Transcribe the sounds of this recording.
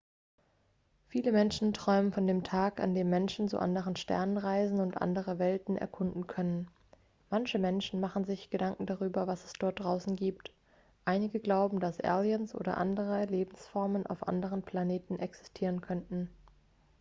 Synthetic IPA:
fiːləmɛnʃn̩tʁ̥ɔʏmənfɔndeːmtʰaːka̰ndeːmːɛnʃn̩t͡sṵʔa̰ndəʁənʃtɛ̰ɐnənʁaɪzn̩ʊntʔa̰ndəʁəvɛltn̩ʔɛ̰ɐkʰʊndn̩kʰœnən | mançəmɛnʃn̩maχn̩zɪçɡ̥ədaŋkŋ̩daʁyːbɐvasɛ̥sd̥ɔɐt̚d̥ʁaʊsn̩ɡiːp̚t | ʔaɪnɪɡəɡlaʊbm̩dasʔɛ̰ljənsʔo̰ːdɐ̰ʔa̰ndəʁ̞əleːbm̩sfɔɐmənʔa̰ʊfʔa̰ndəʁ̞ənpʰl̥aneːtn̩ʔɛksɛ̥stʰiːʁ̞ənkʰœntn̩

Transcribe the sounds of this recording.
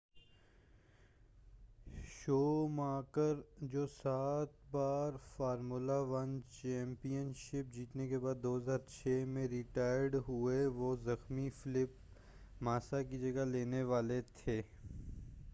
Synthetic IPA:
ʃoːmaːkəɾd͡ʒoːsaːt̪̚baːɾfaːɾmulaʋɐnt͡ʃɛ̃ːmpijənʃɪp̚d͡ʒiːt̪nekebaːd̪ːoːɦəzaːɾt͡ʃʰeːmẽɾɪʈaːjɖɦʊeʋozɐxmifɪlɪp | maːsakid͡ʒɐɡaleːneʋaːlet̪ʰeː

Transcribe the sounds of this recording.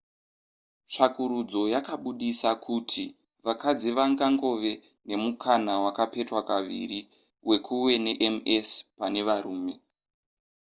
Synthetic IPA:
ʂakuɾud͡zo̞jakaɓuɗisakʰutʰi | ʋakad͡ziʋaŋɡaŋɡo̞ʋe̞ | ne̞mukʰanawakape̞twakaʋḭri | we̞kʰuwe̞ne̞ʔemespane̞ʋaɾuːme̞

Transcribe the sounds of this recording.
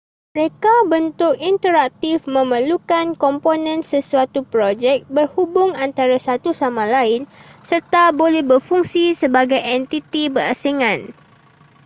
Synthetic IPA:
məɾekabənt̪ʊkint̪əɾak̚t̪ifmə̃məlukankɔmponə̃nsəsuat̪upɾod͡ʒɛk̚bərhubʊŋant̪aɾasat̪usamãlaɪnsərt̪abolɛhbərfuŋsisəbaɡajɛnt̪it̪ibəɾasiŋãn

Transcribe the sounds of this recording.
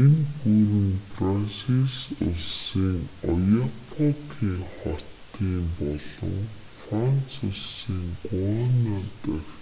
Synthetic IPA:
enpuɾɘ̆nprasiɮsʊ̰ɮsiːŋɔjapʰɔkʰiːŋχɔtt̪iːmpɔɮɞ̰̆ŋ | frant͡sʰʊɮsiːŋkʊanat̪əx

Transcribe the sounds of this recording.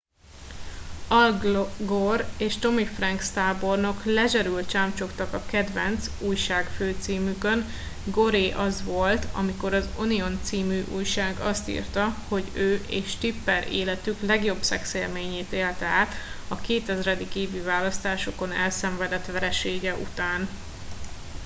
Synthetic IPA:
ɒlɡɡoreːʃt̪o̞mifrɛŋkst̪aːbo̞rno̞klɛʒɛɾylt̪t͡ʃaːmt͡ʃo̞kt̪ɒkɒkɛd̪vɛnt̪suːjʃaːkføːt̪siːmykø̞n | ɡo̞ɾeːʔɒzʋo̞lt̪ɒ̰miko̞ɾɒzonio̞nt̪siːmyːʔuːjʃaːɡɒst̪ḭrt̪ɒho̞ɟøːʔeːʃt̪ipːɛɾḛːlɛt̪yklɛɡjo̞bsɛkseːrmeːɲeːt̪eːlt̪ɛaːt̪ɒkeːt̪ɛzrɛd̪ikeːvyvaːlɒst̪aːʃoko̞nɛ̰lsɛɱvɛd̪ɛt̪ʋɛɾɛʃeːɡɛʔṵt̪aːn

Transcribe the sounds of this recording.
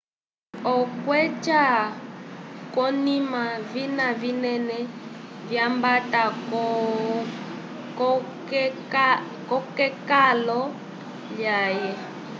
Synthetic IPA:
ɔkwɛt͡ʃa | kɔnĩmavinavinɛnɛvjambatakɔ | kɔkɛkalɔ | ljajɛ

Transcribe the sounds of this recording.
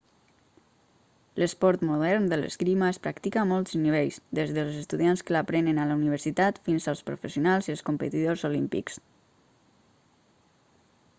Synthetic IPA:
ləspɔɾt̪muðɛɾnd̪ələ̰skɾimaːspɾakt̪ikaːmɔlˠt̪zniβ̞eʎzd̪ezðəlˠzəst̪uðianskəlapɾɛnənaləuniβ̞əɾsit̪at̪finzəlˠspɾṵfəsiunalˠziəlˠskumpət̪iðozolimpḭks

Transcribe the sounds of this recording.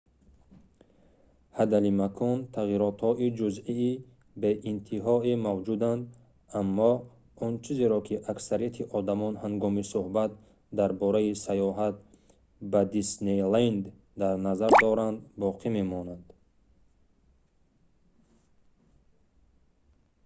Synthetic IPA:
had̪alimakʰɔnt̪ʰaʁiɾɔt̪hɔʔid͡ʒuziː | beʔint̪ʰiɦɔimavd͡ʒud̪and̪ | amːɔ | ɔnt͡ʃʰizeɾɔkʰiʔaksaɾijat̪ʰiʔɔd̪amɔnhaŋɡɔmisuhbat̪̚ | d̪aɾbɔɾaisajɔɦat̪̚ | bad̪isnelend̪ | d̪aɾnazaɾd̪ɔɾand̪bɔqʰime̞mɔnand̪̥

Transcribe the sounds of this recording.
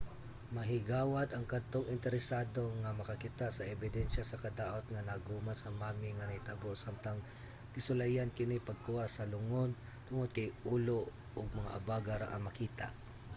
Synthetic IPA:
mɐɦɪɡaːwɐd̪ɐŋkɐd̪̚t̪oŋʔɪnt̪ɛɾɛsaːd̪o̞ŋɐmɐkɐkɪt̪aʔsɐʔɛbɪd̪ɛnʃɐsɐkɐd̪aːʔo̞t̪̚ŋɐnɐɡuːmansɐmaːmɪŋɐnɐjt̪aboʔsamt̪ɐŋ | kɪsʊlajankɪnɪpɐɡ̚kʊhaʔsɐlʊŋon | t̪ʊŋod̪̚kɐjʔuːlo | ʔoɡ̚mɐŋa̰ʔɐbaːɡaɾa̰ʔɐ̰mɐkiːt̪a̰ʔ

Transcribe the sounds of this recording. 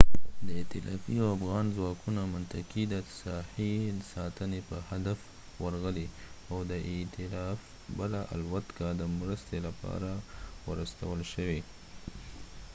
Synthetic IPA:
d̪əɪt̪ɪlɑ̰fiawafɣɑnzwɑkunamʊnt̪akid̪əsɑhisɑt̪ənepəhad̪af | wəɾɣəliawd̪əʔɪt̪ɪlɑf | bəlaʔa̰lwat̪kad̪əmɾəst̪elapɑ̰ɾawaɾəst̪awəlʃəwi

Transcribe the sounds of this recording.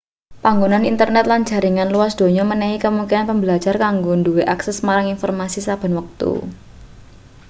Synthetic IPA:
paŋɡonanint̪ərnɛt̪̚lan̥d͡ʒa̤ɾiŋanluasd̪̥o̤ɲɔmənɛɦikəmuŋkinanpəmbəlḁd͡ʒarkaŋɡonduweʔaksɛsmaɾaŋinfɔrmasisab̥a̤nwək̚t̪ṵ

